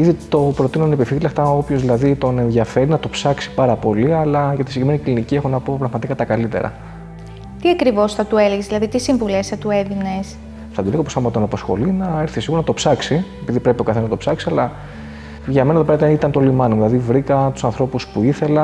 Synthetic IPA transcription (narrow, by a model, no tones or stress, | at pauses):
iðit̪o̞pɾo̞t̪inuonepifilɐft̪ɐo̞pçozðilɐðit̪o̞ne̞nðʝɐfe̞ɾinɐt̪o̞psɐksi̥pɐɾɐpo̞liɐlɐʝɐt̪isiɟɾimeniklinicie̞xonɐpo̞pɾɐɣmɐt̪ikat̪ɐkɐlit̪ḛɾɐ̰ | t̪iɐkɾivo̞sθɐt̪ue̞leɣzðilɐðit̪isiɱvulesθɐt̪ue̞ðines | θɐt̪ulekoposɐmɐt̪onɐposxo̞̰linɐe̞ɾθisiɣuɾnɐt̪o̞psɐksiepiðipɾe̞pit̪okɐθenznɐt̪opsɐksiɐlɐ | ʝɐmenɐeðopeɾɐt̪ɐnit̪ɐnt̪olimɐnoðilɐðivɾikɐt̪u̥sɐnθɾo̞puspuiθe̞lɐ